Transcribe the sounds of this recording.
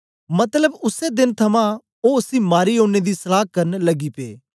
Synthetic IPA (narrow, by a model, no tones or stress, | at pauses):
mɐt̪ləbʊsed̪ɪnt̪ʰɐmã | oʊsimaːɾiɦõːned̪isɐlaːkɐɾnlɐɡipḛː